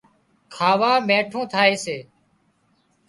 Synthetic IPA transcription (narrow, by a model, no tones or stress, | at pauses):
kʰaːʋaːmeːʈʰõːt̪ʰaːeːseː